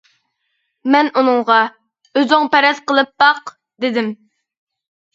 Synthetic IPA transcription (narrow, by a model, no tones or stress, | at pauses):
mɛnunɨŋʁɑ | øzɪŋpʰɛɾɛt̪qəlˠɨp̚bɑq | d̪ɪd̪ɪm